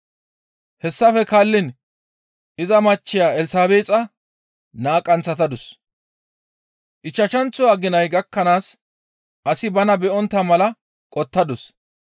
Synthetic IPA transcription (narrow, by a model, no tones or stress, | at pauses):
hɛsːɐfɛkalːɪn | ʔɪzɐmɐt͡ʃːɪjaːɛlɪsaːbeːt͡sʼɐ | naːkʼːɐnt͡sːɐt̪ɐd̪ʊs | ʔɪt͡ʃːɐʃɐnt͡sːʊwaːɡɪnɐjɡɐkːɐnaːs | ʔɐsɪbɐnɐbɛʔɔnt̪ːɐmɐlɐ | kʼɔt̪ːɐd̪ʊs